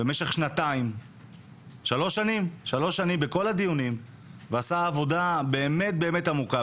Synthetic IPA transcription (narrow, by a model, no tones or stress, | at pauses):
bemeʃe̞χʃnataim | ʃalo̞ʃːanimʃalo̞ʃːanimbeko̞lad̪ijunim | veasaːvo̞dabe̞ːme̞t̚be̞ːme̞tamuka